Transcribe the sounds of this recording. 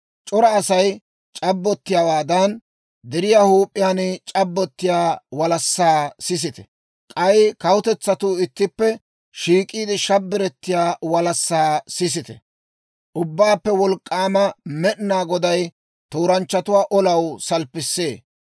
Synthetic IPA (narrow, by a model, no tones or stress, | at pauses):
t͡ʃʼɔɾɐːsɐj | t͡ʃʼɐbːɔt̪ːɪjaːwaːd̪ɐn | d̪ɛɾɪjahuːpʼːɪjaːnɪt͡ʃʼɐbːɔt̪ːɪjaːwɐlɐsːaːsɪs̬ɪt̪ɛ̥ | kʼɐjkɐwʊt̪ɛt͡sːɐt̪ʊɪt̪ːɪpːɛ | ʃiːkʼiːd̪ɪʃɐbːɪɾɛt̪ːɪjaːwɐlɐsːaːsɪs̬ɪt̪ɛ̰ | ʔʊbːaːpːɛwɔlkʼːaːmɐmɛʔnaːɡɔd̪ɐj | t̪uːɾɐnt͡ʃːɐt̪ʊwaːʔɔlɐwsɐlpːɪsːeː